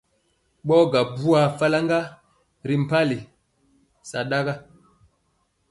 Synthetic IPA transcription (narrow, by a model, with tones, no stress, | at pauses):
ɓɔ˦ɡa˨bu˦a˨fa˦la˦ŋɡa˦ | ɾi˨m̩˨pa˦li˨ | sa˨ɗa˦ɡa˦